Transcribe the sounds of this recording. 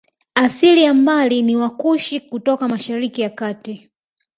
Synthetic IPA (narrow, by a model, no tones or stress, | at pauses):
asilijam̩baliniwakuʃikutɔkamaʃaɾikijakaːti